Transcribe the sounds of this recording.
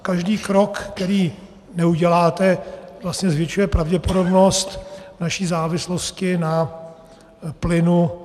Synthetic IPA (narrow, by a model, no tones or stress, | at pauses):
kaʒdiːkɾo̞kt̪ɛɾiː | nɛuɟɛlaːt̪ɛvlast̪ɲɛzvjɛt͡ʃujɛpɾavɟɛpo̞do̞bno̞st̪naʃiːzaːvɪslo̞scɪna | plɪnu